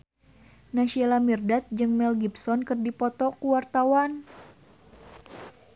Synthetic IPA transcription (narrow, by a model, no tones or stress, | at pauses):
naʃielamirdat̪̚d͡ʒɨŋmɛlɡipsɔnkɨrdipɔt̪ɔkuwart̪awan